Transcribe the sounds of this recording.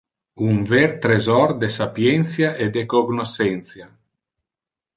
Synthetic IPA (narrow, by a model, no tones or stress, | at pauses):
uɱvɛɾt̪ɾezɔrd̪esapjɛnt̪sjaʔed̪ekoɡnosɛnt̪sja